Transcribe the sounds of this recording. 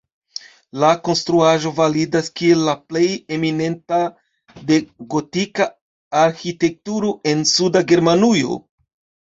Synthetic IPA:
lako̞nstɾuaʒo̞validaskie̞lːaple̞je̞mine̞nta | de̞ɡo̞tikaː | ɾxite̞k̚tuɾoʔe̞nsudaɡe̞ɾmanujo̞̰

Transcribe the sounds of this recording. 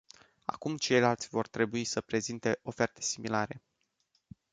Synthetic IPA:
a̰kumt͡ʃe̞jlalt̪sʲvo̞rt̪ɾe̞buisəpɾe̞zint̪e̞ʔo̞fe̞rt̪e̞̥similaɾe̞̰

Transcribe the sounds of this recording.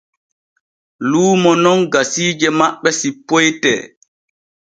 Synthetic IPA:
luːmɔnɔnɡasiːd͡ʒɛmaɓːɛsipːojtɛ̰ː

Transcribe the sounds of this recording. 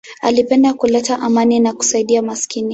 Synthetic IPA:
a̰lipɛndakulɛtaʔamaninaku̥saiɗiamaskini

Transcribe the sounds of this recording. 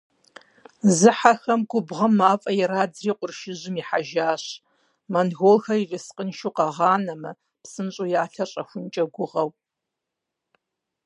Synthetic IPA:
zɨħaxɐmɡʷʊbʁɐmːaːfʼɐjɛɾaːd͡zriːqʷʊrʃɪʑɪmiːħaʒaːɕ | mɐnɣolxɐivɪsqʼənʃuqɐʁɑːnɐmɐ | psɨnɕʼojaːɬɐɕʼɐxʷʊnt͡ʃʼɐɡʷʊʁɐw

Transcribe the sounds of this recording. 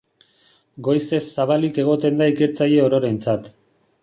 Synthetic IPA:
ɡo̞jse̞sːaβalike̞ɣ̞o̞t̪e̞nd̪aike̞ɾt͡saje̞oɾo̞ɾe̞nt͡sat̪

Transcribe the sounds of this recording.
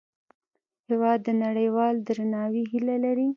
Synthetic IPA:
hɪwɑd̪ːənaɽəjwɑld̪ɾanɑwiɦilalaɾi

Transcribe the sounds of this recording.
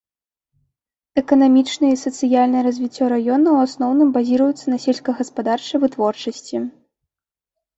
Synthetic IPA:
ɛkɐnamʲit͡ʂnɨjɐisɐt̪sɨjalʲnɐjɛɾɐzʲvʲit͡sʲːɔɾajɔnɐwasnɔwnɨmbazʲiɾɐjut̪sːɐnɐsʲɛlʲskɐɣɐspad̪art͡ʂɨvɨt̪vɔrt͡ʂɐsʲt͡sʲi

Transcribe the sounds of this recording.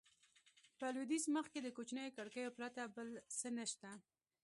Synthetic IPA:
pəlwid̪isməxked̪əkot͡ʃnəjokaɽkəjopɾat̪abəlsənəʃt̪a

